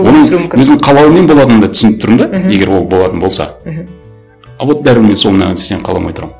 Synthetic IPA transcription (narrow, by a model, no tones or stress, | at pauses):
wo̞nəɴwɵzɪɴqʰɑlˠɑwəme̞nbo̞lˠɑt̪ənnd̪ɑt̪ʰʏ̥sɪnɪp̚t̪ʰʊɾəmd̪ɑje̞ɡʲe̞ɾwo̞lˠbo̞lˠɑt̪ənbo̞lˠsɑ̰ | ɑvot̪̚d̪æɾɪɾme̞nso̞lˠənɑnæeseqʰɑlˠɑ̰mo̰jt̪əɾɑmə